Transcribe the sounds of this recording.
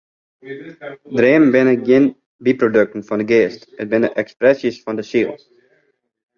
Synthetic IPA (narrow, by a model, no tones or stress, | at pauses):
dɾeːmbɪnəkjɪn | biprodøk̚tən̩fɔndəɡeːstət̚bɪnəʔɛksprɛsjisfɔndəsilˠ